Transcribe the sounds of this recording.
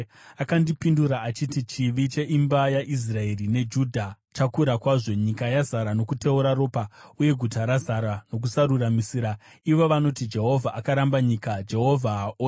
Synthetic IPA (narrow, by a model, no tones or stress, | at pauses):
akandipinduɾaːt͡ʃitit͡ʃiʋit͡ʃe̞ʔimbajaʔis̬rae̞rine̞d͡ʒudʱa | t͡ʃakuɾakwaʐo̞ɲikajazaɾano̞kute̞uɾaro̞ːpauje̞ɡʱutaɾazaɾano̞k̬usaɾuramisiːɾa | iʋo̞ʋano̞tid͡ʒe̞ɦo̞vʱaʔakaɾambaɲikad͡ʒe̞ɦo̞vʱaʔ